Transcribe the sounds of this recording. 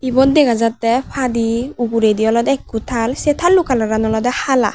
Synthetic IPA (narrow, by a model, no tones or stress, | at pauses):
ibɔnd̪ɛɡazatːɛpʰadiuɡuɾediɔlɔd̪ɛkːutʰalsɛt̪ʰalːukalaɾanɔlɔdɛhala̰